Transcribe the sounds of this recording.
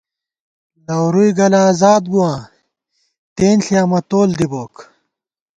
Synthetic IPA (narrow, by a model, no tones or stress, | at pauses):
lɐwɾujɡɐlaːzaːd̪̚buwãː | t̪eːnɬiaːmɐt̪oːld̪iboːk